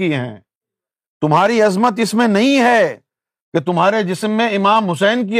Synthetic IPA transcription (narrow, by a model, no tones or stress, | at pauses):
iɦɛ̰̃ː | t̪ʊmɦaːɾiɐzmət̪ɪsmẽnɐɦĩɦɛ | ket̪ʊmɦaːɾed͡ʒɪsmːẽɪmaːmɦʊsɛːnk̬i